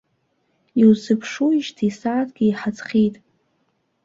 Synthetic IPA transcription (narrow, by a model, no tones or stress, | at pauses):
iwzɨpʰʂuiʒtʰisaːtʰʼɡ̥ʲiiħat͡sχʲitʼ